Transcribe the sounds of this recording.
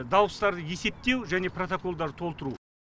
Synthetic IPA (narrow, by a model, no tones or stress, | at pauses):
d̪ɑwəst̪ɑɾd̪əje̞se̞p̚t̪e̞wʒæne̞pro̞t̪oko̞lˠd̪ɑɾt̪ʰo̞lˠt̪əɾu